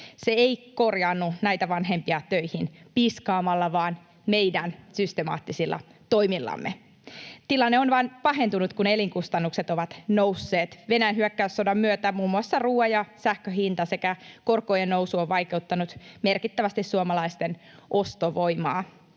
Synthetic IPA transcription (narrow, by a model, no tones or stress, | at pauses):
seeiko̞rjɑnːunæijt̪æʋɑnɦempiɑt̪øjhinpiskɑːmɑlːɑʋɑːn | meidænsyst̪emɑ̰ːt̪ːisilːʔɑ̰ | t̪o̞imilːɑ̰mːʔḛ | t̪ilɑnːeonʋɑnpɑɦe̞nt̪unut̪kune̞liŋkust̪ɑnːukset̪oʋɑt̪nousːeːt̪ʋe̞næjænhyækːæysːodɑmmyøt̪æmuːmːuɑsːɑruːɑjɑsæhkøɦint̪ɑsekækorkoːjennowsuoʋʋɑjke̞ut̪ːɑnut̪merkit̪ːæʋæst̪issuomɑlɑist̪en | ʔost̪oʋo̞jmɑː